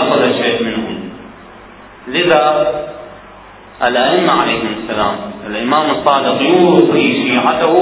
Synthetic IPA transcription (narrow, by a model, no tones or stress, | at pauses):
sˤlaʃeːʔmɪnhʊm | lɪða | ʔɪlʔaʔɪmːaʕalajːhʊmʊsːalaːmɪlʔɪmaːmɨsˤːɑːdɪqjuːɾt̪ˤiʃiːʕad̪aw